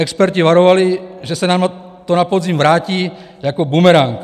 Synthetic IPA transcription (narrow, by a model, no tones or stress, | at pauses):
ɛkspɛɾciʋaɾɔʋaliʒɛsanama | t̪ɔnapɔd̪zimʋɾaːciː | akɔbumɛɾaŋk